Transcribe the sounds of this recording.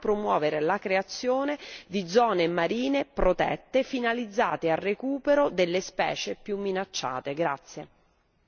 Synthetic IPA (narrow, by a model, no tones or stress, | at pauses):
pɾomwɔːveɾelakɾeat̪sːjoːned̪id̪zːɔːnemaɾiːnepɾot̪ɛ̰t̪ːefinalid̪zːaːt̪earːekuːpeɾod̪elːespɛ̰ːt͡ʃepjumːinat͡ʃːa̰ːt̪eɡɾa̰t̪sːje